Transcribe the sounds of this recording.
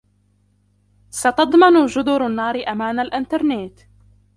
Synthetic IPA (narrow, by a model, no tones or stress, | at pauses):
sɑt̪ɑd̪ˤmɑnʊd͡ʒʊd̪ʊɾanːɑːɾɪʔamaːnalʔɪnt̪ɑɾˤneːt̪